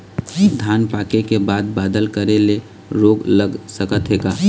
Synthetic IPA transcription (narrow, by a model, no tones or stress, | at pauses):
d̪ʱaːnpaːkekebaːd̪̚baːd̪əlkəɾele | ɾoːɡləɡsəkət̪ɦeːɡaː